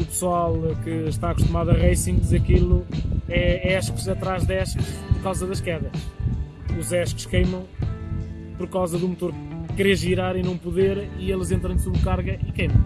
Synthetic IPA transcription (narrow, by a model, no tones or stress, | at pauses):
upsualˠkɨʃt̪aːkuʃt̪umaðɐʁɐjsĩŋɡizeɐɐkilˠuɛɛʃkuzɐt̪ɾaʒðɛʃkʃpɔɾkawzɐðɐʃkɛðɐ | uzɛʃkʃkɐjmɐ̃w̃ | pɔɾkawzɐðũmut̪oɾkkɾeʒiɾaɾinɐ̃w̃puðeɾielˠzẽnt̪ɾɐ̃j̃soβɾkaɾɣɐʔikɐjmɐ̃w̃